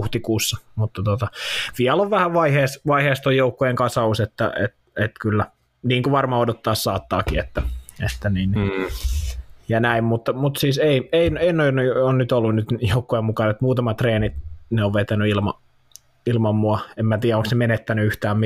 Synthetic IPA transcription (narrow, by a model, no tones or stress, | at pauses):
uht̪ikuːsːɑmut̪ːɑt̪ot̪ɑʋiæloʋʋæhæʋʋɑiheːsʋɑiheːst̪ojoukːojeŋkɑsɑuset̪ːæ̰ḛt̪ | et̪kylːæ | niːŋkuʋɑrmɑodot̪ːɑːssɑːt̪ːɑ̰ːkiḛt̪ːæḛt̪ːæniːn | jɑnæimmut̪ːɑmut̪siːseieineinoinonnyt̪olːunnyt̪joukːojemukɑnet̪muːt̪ɑmɑt̪reːnit̪neoʋʋet̪ænyilmɑ | ilmɑmːuɑemmæt̪iːjæoŋksnemenet̪ːænyyht̪æːmmi